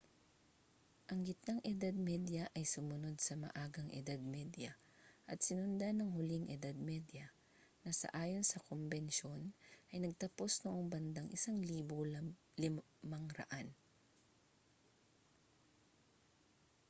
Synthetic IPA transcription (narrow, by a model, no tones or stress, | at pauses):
ʔɐŋɡɪt̪̚naŋʔɛd̪ad̪̚mɛd̪jɐʔɐjsʊmʊno̞d̪̚sɐmɐ̰ʔaːɡɐŋʔɪ̰d̪ad̪̚mɛd̪jɐ | ʔɐt̪̚sɪnʊnd̪anɐŋhʊliŋʔɛd̪ad̪̚mɛd̪jɐ | nɐsɐ̰ʔaːjo̞nsɐkombɛnʃo̞nʔɐjnɐɡ̚t̪ɐpo̞snoʔoŋbɐnd̪aŋʔɪsaŋliːbol | lɪ | mɐŋɾɐ̰ʔan